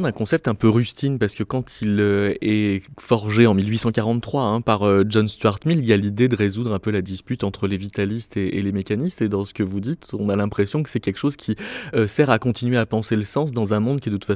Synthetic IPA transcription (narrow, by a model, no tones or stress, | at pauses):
d̪ɛ̃kɔ̃sɛp̚t̪ɛ̃pøʁyst̪inpaʁsə̥kəkɑ̃t̪ʰiløɛfɔʁʒeɑ̃milɥisɑ̃kaʁɑ̃t̪t̪ːχwaɛ̃paʁøʒɔnst̪ɥaʁt̪miljalid̪ed̪əʁezud̪ʁɛ̃pølad̪ispyt̪ɑ̃t̪χəlevit̪alist̪ḛːlemekʲanist̪ed̪ɑ̃sə̥kəvud̪it̪ɔ̃nalɛ̃pχesjɔ̃kə̥sɛkʲɛlkə̥ʃozkʲʰiøsɛʁakɔ̃t̪inɥeapɑ̃seləsɑ̃s̬d̪ɑ̃zɛ̃mɔ̃d̪̚kʲiɛd̪ət̪utfa